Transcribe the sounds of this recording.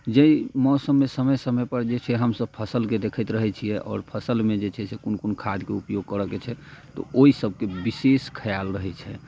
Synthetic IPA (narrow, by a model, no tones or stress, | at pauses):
d͡ʒeimɔsəmːesəməjsəməjpəɾd͡ʒet͡ʃʰɛɦəmsəb̚pʰəsəlked̪ekʰəjt̪ɾəɦɛt͡ʃʰijɛʔɔ̰ːɾpʰəsəlmed͡ʒet͡ʃʰɛsekonkonkʰad̪keupjoɡ̚kəɾəket͡ʃʰɛt̪ɔ̰oisəb̚ʱkebiseskʰəjalɾəɦɛt͡ʃʰɛ